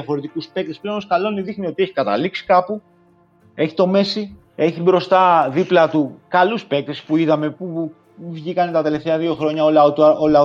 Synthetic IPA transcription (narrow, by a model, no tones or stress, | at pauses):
fo̞ɾet̪ikuspe̞k̚t̪esple̞onoskɐlo̞niðixnio̞t̪ieçi̥kɐt̪ɐ̰liksi̥kɐpu | e̞çi̥t̪o̞me̞si | e̞çibɾo̞st̪ɐðiplɐt̪ukɐluspe̞k̚t̪e̞spuiðɐme̞pu | vʝikɐnet̪ɐt̪e̞left̪eɐðio̞xɾo̞ɲɐolɐot̪o̞lɐo